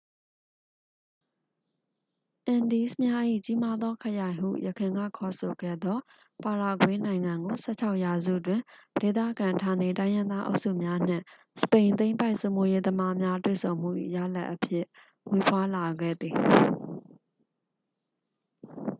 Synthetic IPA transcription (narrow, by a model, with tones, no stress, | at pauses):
ʔã˨ndi˨˦smja˦ʔḭ˦˨t͡ɕi˦ma˦d̪ðɔ˦kʰə˨jã˨ɪ̃ɦṵ˦˨jəkʰɪ̃˨ŋɡa̰˦˨kʰɔ˨so˨ɡɛ̰˦˨d̪ðɔ˦ | pa˨ɾa˨ɡwe˦nã˨ɪ̃ŋã˨ŋɡo˨sʰɛ̰˦˨t͡ɕʰa˦ʊʔja˨zṵ˦˨twɪ̃˨de˨t̪a̰˦˨ɡã˨tʰã˨ne˨tã˦ɪ̃jɪ̃˦nd̪a˦ʔo̰˦ʊʔsṵ˦˨mja˦n̥ɪ̰̃˦˨ | sə̥pẽ˨ɪ̃nt̪ẽ˦ɪ̃mpa˦ɪʔso˨mo˦je˦d̪əma˦mja˦twḛ˦˨sõ˨ʊ̃m̥ṵ˦˨ʔḭ˦˨ja̰˦˨la̰˦ʔːəpʰjɪ˦˨ | we˨pʰwa˦la˨ɡɛ̰˦˨d̪ði˨